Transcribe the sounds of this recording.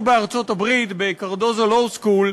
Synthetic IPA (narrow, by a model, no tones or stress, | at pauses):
beaʁt͡so̞tabʁitbekaʁdozalowskul